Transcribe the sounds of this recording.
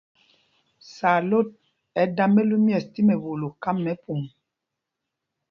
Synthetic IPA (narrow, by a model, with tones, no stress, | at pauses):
sa˨lo˦˨t̚ | ɛ˨˦da˦me˦lu˦mjɛ˨sti˦mɛ˨βo˨lo˨ka˦mːɛ˦pʰu˨m